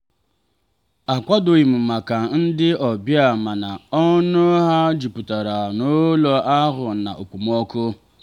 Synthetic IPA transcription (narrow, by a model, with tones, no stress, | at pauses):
a˨kʷa˦do˨i˨m̩˨ma˨ka˨n̩˦dɪ˦ɔ˨bja˨ma˨na˨ɔ˦nʊ˦ɦa˦d͡ʒi˨pu˨ta˨ɾa˨no˦lɔ˦a˦ɦʊ˨na̰˨ʔo˨kʷu˨m˦ɔ˦kʊ˦